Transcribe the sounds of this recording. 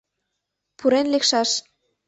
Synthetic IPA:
pʰuɾenlekʃɑʃ

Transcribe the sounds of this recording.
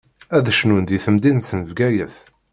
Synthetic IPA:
æðəʃnund̪iθəmd̪inθənəvɡæjəθ

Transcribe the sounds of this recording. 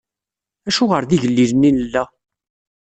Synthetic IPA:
æʃuʁəɾðiʝəlːiɾninəlːæ

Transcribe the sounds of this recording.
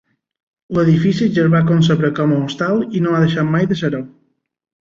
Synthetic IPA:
ləðifisiʒəɾβakons̬əβɾəkɔməust̪alˠinoaðəʃat̪majðəsəɾow

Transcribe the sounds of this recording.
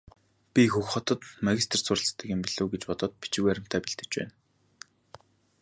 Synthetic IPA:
pʲixɵxχɔt̪ɞ̆t̪maɣʲist̪̆ʰr̥sʊrə̆ɮs̆t̪ːĭkʲĭːmpiɮoːɡet͡ɕpɔt̪ɞ̆ːt̪̚pi̥t͡ɕɪ̆ɣuæɾʲɪ̆m̥t̪ʰæːpiɮt̪ɘ̆t͡ɕpæ̰ːn

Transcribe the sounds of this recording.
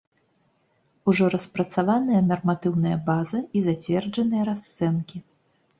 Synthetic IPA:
uʐɔɾɐspɾɐt̪savanɨjɐnɐrmat̪ɨwnɐjɐbazɐizat͡sʲvʲɛrd͡ʐɐnɨjɐɾast̪sɛnkʲi

